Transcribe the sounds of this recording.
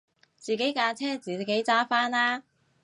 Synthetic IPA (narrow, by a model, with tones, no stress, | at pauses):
t͡siː˨ke˨˥jkaː˧t͡sʰɛː˥t͡siː˨˩ke˨˥jt͡saː˥faː˥naː˥